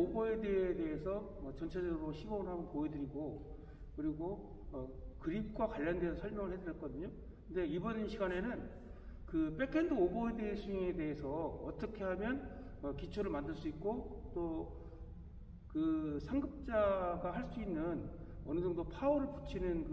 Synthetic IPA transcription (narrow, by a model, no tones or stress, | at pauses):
oboe̞deede̞ɦesʰʌʌt͡ɕʌnt͡ɕʰe̞d͡ʑʌɡɯɾoɕʰiɡʌnɦamʌnpoedɯɾiɡo | kɯɾiɡo | ʌ | kɯɾip̚k͈wakwaʎːʌndwessʰʌɭmjʌŋɯɭhe̞dɯɾiɭk͈ʌdɯɲo | kkɯnde̞ibʌnnɕʰiɡane̞nɯn | kɯp͈e̞kʰendɯoboedesiŋe̞de̞ɦesʰʌʌt͈ʌkʰe̞ɦamjʌn | ʌkit͡ɕʰoɾɯɭmandɯɭs͈uik̚k͈ot͈o | kɯsʰaŋɡɯp̚t͡ɕ͈aɡaɦaɭs͈uinːɯn | ʌnɯd͡ʑʌŋdopʰaoɾɯɭput͡ɕʰinɯnkɯ